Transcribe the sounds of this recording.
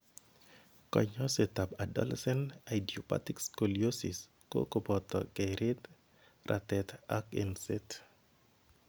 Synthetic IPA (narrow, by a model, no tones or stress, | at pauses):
kɔ̰ɲɔsetabadɔ̰lɛsɛnajdiopa̰tikskolijosḭs | ko̰kobɔt̪ɔ̰kɛɾɪt̪ | rʔa̰t̪ɛt̪akinset